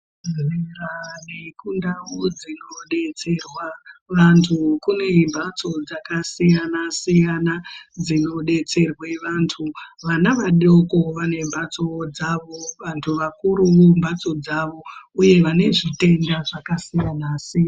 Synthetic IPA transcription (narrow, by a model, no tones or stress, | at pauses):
zʱerane̞kundaud͡zino̞ɗe̞t͡se̞rwaʋantʰukune̞mbʱat͡so̞d͡zakasijanasijanad͡zino̞ɗe̞t͡se̞rwe̞ʋantʰuʋanaʋaɗo̞ko̞ʋane̞mbʱat͡so̞d͡zaʋo̞ʋantʰuʋakuɾuʋumbat͡so̞d͡zaʋo̞uje̞ʋane̞ʐite̞ndaʐakasijanasija